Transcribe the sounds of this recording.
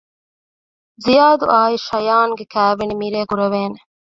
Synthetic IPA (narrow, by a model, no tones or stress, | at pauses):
zijaːd̪uʔaːiʃɐjaːŋɡekæːʋenimiɾeːkuɾɐʋeːne